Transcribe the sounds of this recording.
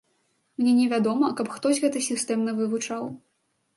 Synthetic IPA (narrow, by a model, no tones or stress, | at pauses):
mnʲɛnʲɛvʲad̪ɔmɐkɐpxt̪ɔsʲɣɛt̪ɐsʲist̪ɛmnɐvɨvut͡ʂaw